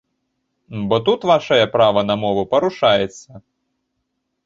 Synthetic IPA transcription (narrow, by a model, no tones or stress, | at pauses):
bɔt̪ut̪vaʂɐjɐpɾavɐnɐmɔvupɐɾuʂajɛt̪sːɐ